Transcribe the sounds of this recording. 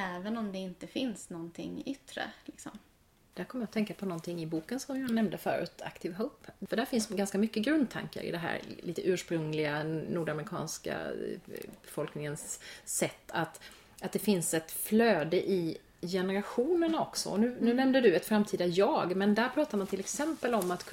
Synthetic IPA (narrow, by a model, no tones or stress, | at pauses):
ɛːvənɔmd̪ɛɪnt̪əfɪnsnɔnt̪ʰɪ̰ŋʏt̪ːɾə̰lɪksɔ̰m | d̪̥æɾkʰɔmːəjaɔt̪ʰɛŋkapʰɔnɔnt̪ʰɪŋːɪbuːkənsɔmjɑːnɛmnd̪əfœ̰ːɾʉ̰ːt̪ʰa̰kt̪ʰɪvɦopfœɖæːɾfɪnsɡanskamʏkːəɡɾɵnd̪̚t̪ʰa̰ŋkə̰ɾɪ̰d̪ɛɦæ̰ːɾliːt̪əʔʉ̟ːʂpɾɵŋlɪɡanuːɖamɾɪkʰɑ̰ːnska̰ | bɛfɔlknɪŋənsːɛt̪ʰːat̪ | at̪̚d̪ɛfɪnsɛt̪fløːd̪əʔɪ | jɛnəɾaɧuːnənɔksɔ̰nʉ̟ːnʉ̟ːnɛmnd̪əd̪ɵɛt̪fɾamt̪ʰiːd̪ajɑːɡmɛnd̪æɾpʰɾɑːt̪aɾmant̪ʰɪlɛksɛmpəlɔmːat̪kʰ